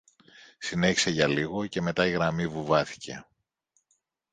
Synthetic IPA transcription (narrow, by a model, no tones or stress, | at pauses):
sine̞çi̥se̞ʝɐliɣo̞ce̞me̞t̪ɐiɣɾɐmivuvɐθi̥cʰe̞̰